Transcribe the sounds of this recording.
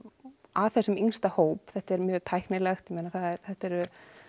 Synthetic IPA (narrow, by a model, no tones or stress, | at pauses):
aθɛsːʏminst̪ahoːwpθɛht̪aɛɾmjœːɣt̪ʰajhknɪlɛxt̪jɛmeːnaθaðɛɾθɛht̪ɛɾʏ